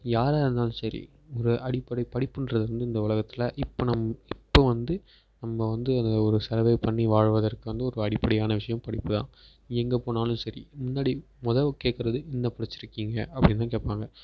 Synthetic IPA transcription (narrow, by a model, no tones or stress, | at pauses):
jaːɾaːɾɯnd̪aːnɯ̃sɐɾḭ | ɔɾɯʔɐɽɪpːɐɽɐɪpɐɽɪpːɯndɾɐðɯɐnd̪ɯɪnd̪ɐʊɭɐɣɐt̪ːɪlɐʔɪpːonɐmɪpːoːʋɐnd̪ɯ | nɐmːɐʋɐnd̪ɯɐnd̪ɐɔɾɯsɐɾɐʋɐɪpɐɳːiʋaːɻʋɐðɐrkɯʋɐnd̪ɯɔɾɯɐɽɪpːɐɽɐjaːnɐʋɪʂɐjɐ̃mpɐɽɪpːɯt̪ã̰ː | ɛŋɡɐpoːnaːlɯ̃msɐɾḭmʊnːaːɽi | mʊðɐʋkːeːʈkɪɾɐðɯʔɪnːɐpɐɽɪt͡ʃːɪɾɯkːiːŋɡɐ̰ʔɐpːɐɽɪnt̪ãːkeːʈpaːŋɡɐ